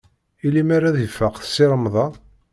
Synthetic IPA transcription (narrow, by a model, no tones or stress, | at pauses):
ilimaɾaðifːəqθə̥sːɪɾəmðˤɑ